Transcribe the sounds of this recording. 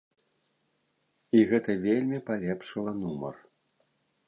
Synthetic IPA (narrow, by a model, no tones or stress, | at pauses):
iɣɛt̪ɐvʲelʲmʲipalʲɛpʂɨlˠɐnumɐ̰r